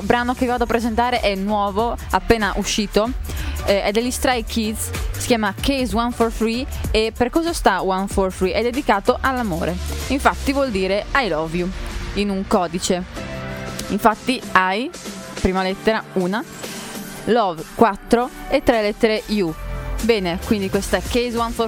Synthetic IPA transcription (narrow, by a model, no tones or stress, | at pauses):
bɾaːnok̟evivaːd̪oapːɾezent̪aːɾeʔɛnwɔːvoapːeːnaʔuʃːiːt̪o | ɛd̪eʎːist̪ɾajkʰːid̪zsi̥kʲjaːmakejzwanfɔrfɾiepːerkɔːzast̪awanfɔrfɾiʔɛd̪ːed̪ikaːt̪oʔalːamo̰ːɾʔeiɱfat̪ːivwɔld̪iːɾeajlɔvjuinuŋkɔːd̪it͡ʃe | iɱfat̪ːiaj | pɾiːmalɛt̪ːeɾauːna | lɔvkwat̪ːɾoet̪ːɾelɛt̪ːeɾejubɛːnekwind̪ikwest̪aɛkːejzwanfo